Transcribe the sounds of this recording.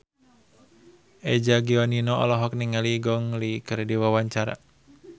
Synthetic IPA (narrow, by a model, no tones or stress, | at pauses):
ʔɛd͡ʒaɡiɔninɔɔ̰lɔɦɔk̚niŋaliɡɔŋlikɨrdiwawaɲt͡ʃaɾa̰